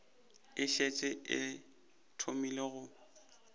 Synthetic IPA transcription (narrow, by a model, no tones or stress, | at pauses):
ɪʃet͡ʃʼɪʔɪ̰ | tʰomileɣʊ